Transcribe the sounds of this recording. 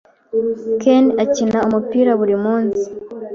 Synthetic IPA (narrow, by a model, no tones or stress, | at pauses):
kenacinaumupiːɾaβuɾimuːnsi̥